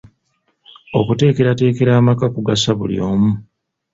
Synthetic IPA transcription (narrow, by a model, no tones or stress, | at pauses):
o̞kute̞ːke̞ɾate̞ːke̞ɾaːmakakuɡasaβṵlḭo̞̰ːmu